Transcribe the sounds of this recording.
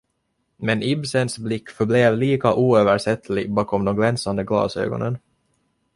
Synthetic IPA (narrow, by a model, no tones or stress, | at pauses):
mɛnɪbsənsblɪkːfœbleːvliːkaʔuːøːvæɾʂɛt̪ːlɪɡbɑːkɔmd̪ɛnɡlɛnsand̪əɡlɑ̰ːsø̰ːɡɔ̰nən